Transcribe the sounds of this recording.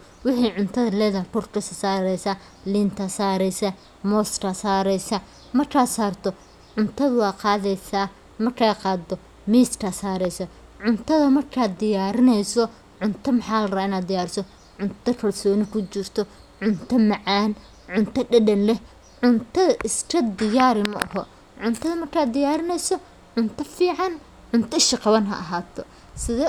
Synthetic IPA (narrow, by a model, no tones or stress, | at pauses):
wɪħiːʕʊnt̪ʰɐðɐlɛːðɐtʊrkʰɐsɐsaːɾɛjsɐ | liːnt̪ʰɐsaːɾɛjsɐ | mɔːskʰɐsaːɾɛjsɐ | mɐrkʰaːsaːrt̪ʰɔ | ʕʊnt̪ʰɐðʊwɑːqɑːðɛjsa | mɐrkʰaːqɑːd̪ɔ | miːskʰɐsaːɾɛjsɐ | ʕʊnt̪ʰɐðɐmɐrkʰaːd̪ɪjaːɾɪnɛjsɔ | ʕʊnt̪ʰɐmɑħaːlɐraːɪnaːd̪d̪ɪjaːɾɪsɔ | ʕʊnt̪ʰɐkʰɐlsɔːnɪkʰʊt͡ʃɪrt̪ʰɔ | ʕʊnt̪ʰɐmɑʕaːn | ʕʊnt̪ʰɐɖɐɖɐnlɛ | ʕʊnt̪ʰɐʔɪsʈʰɐd̪ɪjaːɾɪmɐ̰ʔɐ̰hɔ | ʕʊnt̪ʰɐðɐmɐrkʰaːd̪ɪjaːɾɪnɛjsɔ | ʕʊnt̪ʰɐfiːʕɑn | ʕʊnt̪ʰɐɪʃɪqɑβɐnɦɐ̰ʔɐɦaːt̪ʰɔ | sɪðɛ